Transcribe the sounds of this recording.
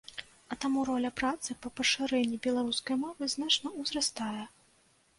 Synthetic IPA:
ɐt̪amuɾɔlʲɐpɾat̪sɨpɐpɐʂɨɾɛnʲːibʲɛlˠaɾuskɐjmɔvɨznat͡ʂnɐuzrɐst̪ajɛ

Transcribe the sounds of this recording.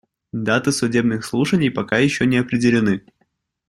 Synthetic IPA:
d̪at̪ɨsʊdʲe̞bnɨxslˠuʂənʲɪjpɐkajɪɕːonʲɪɐpɾʲɪdʲɪlʲɪnɨ

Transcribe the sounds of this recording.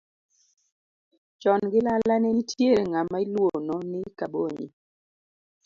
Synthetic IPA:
t͡ʃɔnɡɪlalanɛnitʰjeɾeŋamailwonɔnɪkaboɲḭ

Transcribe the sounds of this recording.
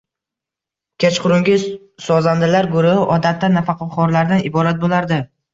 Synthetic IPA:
kʲʰet͡ʃqʰʊɾʊŋɡʲɪ | sɒzand̪ɪlaɾɡʊɾʊhɪʔɒd̪at̪ːanafɑqʰɑqʰɒɾlaɾd̪anɪbɒɾat̪̚bolˠaɾd̪ɪ

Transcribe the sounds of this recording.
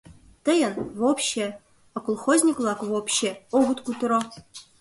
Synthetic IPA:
t̪əjə̆nvopɕe | akulˠχozʲnʲiklˠɑkvopɕeoɣut̪kut̪ɾo

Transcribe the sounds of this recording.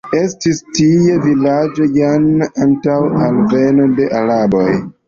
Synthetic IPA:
e̞stistie̞vilad͡ʒo̞janantawalve̞no̞de̞ʔaɾabo̞̰j

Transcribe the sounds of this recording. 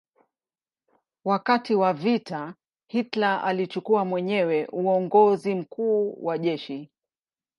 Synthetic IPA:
wakatiwavita | hitlaʔa̰lit͡ʃukuamwɛɲɛwɛʔuɔŋɡɔzim̩kuːwaʄɛʃi

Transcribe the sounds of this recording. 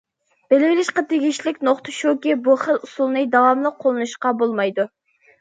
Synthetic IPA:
b̥elɪvɪlɪʃqɑt̪ʰeɡʲiʃlɪkʲnoχt̪ʰəʃokʲibuχəlusulˠnɨd̪ɑwɑmlˠəqʰːolˠɨnuʃqɑbolˠmɑjd̪u

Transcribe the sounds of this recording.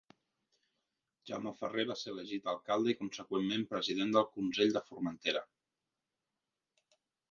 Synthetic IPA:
ʒa̰məfəreβaseɾələʒit̪əlˠkalˠd̪əikunsəkwemːempɾəziðend̪əlˠkunseʎd̪əfurmənt̪eɾə̰

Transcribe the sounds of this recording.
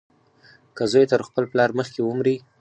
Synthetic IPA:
kazojet̪əɾxpəlplɑɾməxkewəmɾi

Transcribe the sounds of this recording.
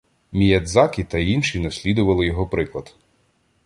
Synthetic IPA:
mʲijɐd̪zɑkʲɪt̪ɐinʃinɐsʲlʲid̪ʊʋɐlˠɪjɔɦɔpɾɪklˠɐd̪

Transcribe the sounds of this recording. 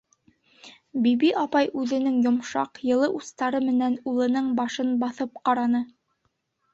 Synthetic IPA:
bibiʔɑpɑjʉðɘ̆nɘŋjŏmʃɑ̰qjɤ̆lˠɤʔust̪ɑɾɤmɘ̆nænulˠɤ̆nɤɴbɑʃɤnbɑθɤp̚qɑɾɑnɤ

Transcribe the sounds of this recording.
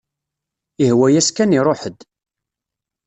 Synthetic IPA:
ihwæjæskæniɾˤoħəd̪

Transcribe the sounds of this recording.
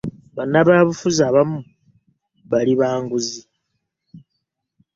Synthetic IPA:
βanaβaːβufuzaβamu | βaliβaːŋɡuzi

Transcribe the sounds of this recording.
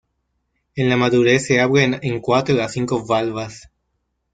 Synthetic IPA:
ẽnlamaðuɾeseaβɾeneŋkwat̪ɾoaθiŋkoβalβas

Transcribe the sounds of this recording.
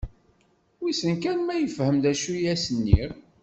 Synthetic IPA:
wisənkænmæjəfhəmd̪æʃujæsənːḭɾ

